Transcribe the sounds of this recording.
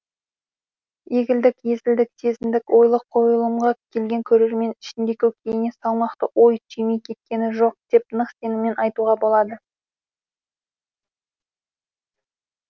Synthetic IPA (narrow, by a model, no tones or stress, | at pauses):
je̞ɡʲɪld̪ɪkje̞zɪld̪ɪkse̞zɪmd̪ɪkwo̞jlˠəqʰːo̞jəlˠəmʁɑkʲʰe̞lɡʲe̞ŋkʲʰɵɾe̞ɾme̞nɪʃɪnd̪ekʲɵkʲʰejɪne̞sɑlˠmɑqt̪əʔojtʰimejkʲʰe̞t̪̚kʲe̞nɪʒo̞q̚d̪̥e̞pnəqse̞nɪme̞nʔɑjt̪uʁɑbo̞lˠɑd̪ə